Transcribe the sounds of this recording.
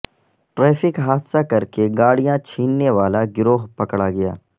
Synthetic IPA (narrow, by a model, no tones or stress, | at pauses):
ʈɾɛːfɪkɦaːd̪sakɐɾkeɡaːɽijãt͡ʃʰiːnːeʋaːlaɡɪɾoːɦpɐkɽaɡɐja̰ː